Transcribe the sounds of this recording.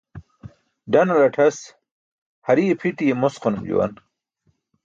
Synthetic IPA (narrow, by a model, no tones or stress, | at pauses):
ɖɐnɐlɐʈʰɐs | hɐɾiepʰit̪ijemosqonumd͡ʑṵwɐ̰n